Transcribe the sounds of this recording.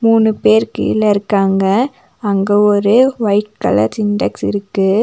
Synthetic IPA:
muːnɯpeːɾkḭɪ̰lːɐɪɾɯkːaːŋɡɐ | ɐŋɡeɔɾɯʋɐɪʈ̚kɐ̰lɐ̰ɾsɪnɖɛksɪ̰ɾɯkːɯ

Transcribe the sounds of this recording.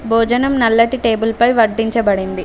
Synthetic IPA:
bʱoːd͡ʒɐnɐmnɐlːɐʈiʈe̞ːbulpɐjʋɐɖːiɲt͡ʃɐbɐɽind̪i

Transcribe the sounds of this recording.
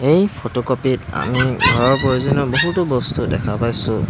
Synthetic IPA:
ejpʰotokopita̰miɡʱɔɹɔɹpɹojuzɔnɔboɦutʊbɔstudɛ̰kʰapajsʊ̃

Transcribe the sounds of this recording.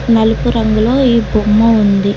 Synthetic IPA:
nɐlupuɾɐŋɡulo̞ːiːbumːɐund̪i

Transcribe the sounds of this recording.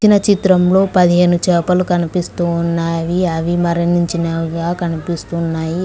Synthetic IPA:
t͡ʃinɐt͡ʃit̪ɾɐmlo̞ːpɐd̪iɦe̞ːnut͡ʃɛːpɐlukɐnipist̪uːnːaːʋiɐʋimɐɾɐniɲt͡ʃinɐɡaːkɐnipist̪unːaːji

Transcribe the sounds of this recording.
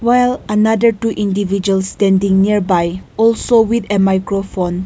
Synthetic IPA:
wajlənadətuʔĩndivid͡ʒuəlstɛ̃ndĩŋniəɹbajɔlsowidemajkɹofõn

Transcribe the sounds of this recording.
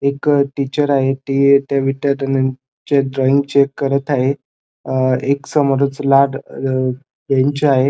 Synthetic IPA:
ekʈit͡ɕəɾaɦet̪it̪jaʋiʈ̪jad̪əna | t͡ɕeɖɾɔiŋɡt͡ɕekːəɾət̪aɦe | eksəmoɾət͡slaɽ | ɡ̪eɲt͡ɕeaɦe

